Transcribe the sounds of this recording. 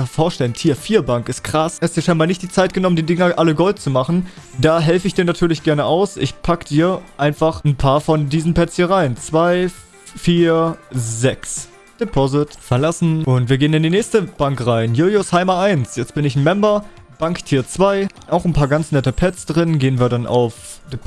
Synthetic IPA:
foːɐʃtɛləntʰiːɐfiːɐbaŋkɪst̚kʁ̥asɛɐstd̥iːɐʃaɪnbaːlnɪçt̚d̥iːt͡saɪt̚ɡ̥ənɔməndiːdɪŋɐʔaləɡɔlt̚t͡sumaχn̩d̥aːɦɛlfəɪçd̥iːɐnatʰyːɐlɪçɡ̥ɛɐnəʔaʊsʔɪçpʰakəd̥iːɐʔaɪnfaχn̩pʰaːɐfɔndiːzn̩pɛt͡shiːɐʁaɪnt͡sv̥aɪ | fiːɐzɛks | d̥epʰɔzɪtfɛɐlasn̩ʔʊntv̥iːɐɡeːənɪndiːnɛːçstəb̥aŋkʁaɪnjuːljoshaɪmɐʔaɪnsjɛt͡st̚b̥ɪnɪçn̩mɛmbɐb̥aŋkd̥ʰiːɐt͡sv̥aɪ | ʔaʊxn̩pʰaːɐɡant͡snɛtəpʰɛt͡sd̥ʁɪnɡeːənviːɐdanʔa̰ʊf | d̥e

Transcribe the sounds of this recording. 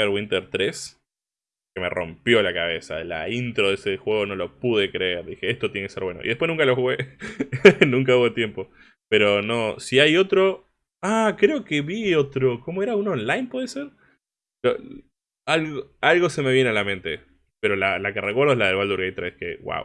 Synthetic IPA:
eɾɣwint̪eɾt̪ɾes | keme̞̰rʔo̞̰mpjo̞lakaβe̞sa̰la̰int̪ɾo̞ðesexwe̞ɣo̞no̞lo̞puðe̞kɾeeɾðixe̞est̪ot̪jenekeseɾβwe̞noʔḭðepweznũŋkalo̞xuɣe | nũŋkauβet̪jempo̞ | pe̞ɾo̞no̞siajo̞t̪ɾo̞ | akɾe̞o̞ke̞βio̞t̪ɾo̞ko̞mo̞eɾaunonlajnpweðeseɾ | lo̰ | alɣoalɣo̞se̞me̞βje̞nealamẽ̞nt̪e̞ | pe̞ɾo̞lalakerekweɾðelaðelβwald̪uɾɣejt̪ːɾeskeɣwa̰w

